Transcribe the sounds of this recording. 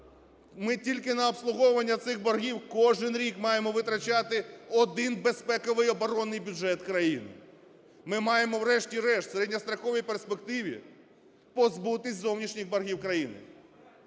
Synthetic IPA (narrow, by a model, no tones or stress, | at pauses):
mɪtʲilʲkɪnɐɔpslˠʊɦɔʋɐnʲːɐt̪sɪxbɔrɦʲiwkɔʒɪnɾʲikmɑjemɔʋɪt̪ɾɐt͡ʃɑt̪ɪɔd̪ɪnbespɛkɔʋɪjɔbɔɾɔnːɪjbʲʊʒɛt̪kɾɐjinɪ̰ | mɪmɑjemɔwɾɛʃtʲiɾɛʃt̪ʲseɾɛdʲnʲɐst̪ɾɐxɔʋʲijperspekt̪ɪʋʲḭ | pɔzbut̪ɪsʲtʲzɔwnʲiʃnʲixbɐrɦʲiwkɾɐjinɪ̰